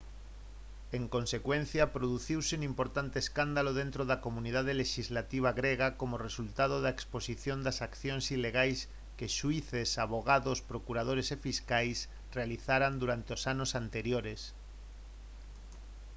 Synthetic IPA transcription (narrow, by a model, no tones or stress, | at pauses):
eŋko̞nse̞kwẽn̟θjapɾoðuθiwseunimpo̞ɾt̪ant̪eːskand̪aloð̞ẽnt̪ɾoðakomũnið̞að̞eleʃizlat̪iβ̞aɣɾeɣ̞akomoresult̪að̞oðaeksposiθjond̪asakθjonsile̞ɣ̞ajs | keʃuiθesaβ̞oɣ̞aðospɾokuɾað̞oɾe̞sefiskajs | realiθaɾand̪uɾant̪eosanosant̪e̞ɾjoɾes